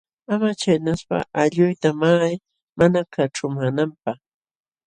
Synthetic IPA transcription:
amat͡ʃajnaspa̰ʔaʎʊjt̪amaj | manakʰaʈ͡ʂʊmanampah

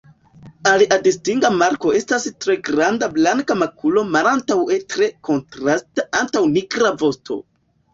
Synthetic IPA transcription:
aliʔadistiŋɡamaɾko̞e̞stastɾe̞ɡɾandablaŋkamakʰulo̞malantawe̞tɾe̞ko̞ntɾastaʔantawniɡɾavo̞stʰo̞̰

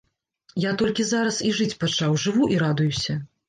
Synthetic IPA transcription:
jat̪ɔlʲkʲizaɾɐsiʐɨt͡sʲpat͡ʂawʐɨvuʔiɾad̪ujusʲɐ

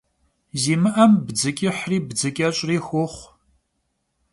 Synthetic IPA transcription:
ziːmɨʔɐmbd͡zɨkʲʼɪħriːbd͡zɨkʼɐɕʷʼriːxʷʊχʷ

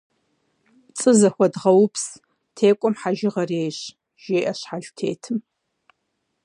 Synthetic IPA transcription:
t͡sʼɨzɐxʷɐdʁɐwpʰs | tʰeːkʷʼɔmħaʒɪʁɐreːɕ | ʒ̥eːʔɐʃħaɮtʰeːtʰɨm

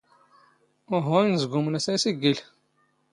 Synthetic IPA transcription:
ʊɦʊinəzɡʊmənæsæsiɡil

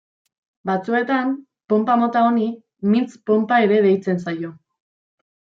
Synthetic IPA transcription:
bat͡sue̞t̪am | po̞mpamo̞t̪aoni | mint͡spo̞mpae̞ɾe̞ðe̞jt͡se̞nsajo̞

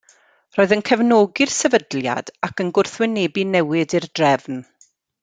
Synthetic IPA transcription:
roːɨðənkʰɛvnoɡɪrsɛvədlja̰d̥akənɡʊrθwɪnebinɛwɪdɨrdrɛvn

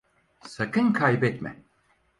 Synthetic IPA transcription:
sakʰɯnkʰajbɛt̪mɛ̰

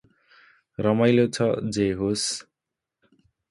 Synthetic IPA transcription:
rʌmʌjlot͡sʰʌd͡zeɦos

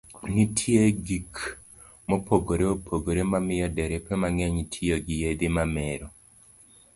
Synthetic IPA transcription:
nitʰieɡik | mopʰoɡoɾeopʰoɡoɾemamɪjɔdɛɾɛpɛmaŋɛɲtʰɪoɡɪjed̪ɪmamɛɾɔ

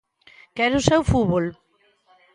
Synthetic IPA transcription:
kɛɾʊsɛwfuβol

